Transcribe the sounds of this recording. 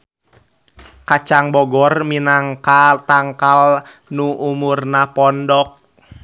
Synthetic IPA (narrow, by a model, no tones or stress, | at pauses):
kat͡ʃaŋbɔɡɔrminaŋkat̪aŋkal | nuʔumurnapɔndɔk̚